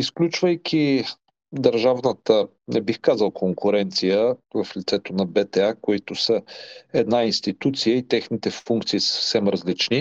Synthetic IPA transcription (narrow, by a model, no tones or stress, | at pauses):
isklʲut͡ʃvəjk̟ʰʲi | d̪əɾʒavnət̪ə | nɛbixkazəlˠkʰoŋkʰʊɾɛnt̪sijəvɐflit̪sɛt̪onɐbɛt̪ɛakoit̪ʊsəɛd̪nainst̪it̪ut̪sijəit̪ɛxnit̪ɛfuŋkt̪siːsə̥fsɛmɾɐzlit͡ʃni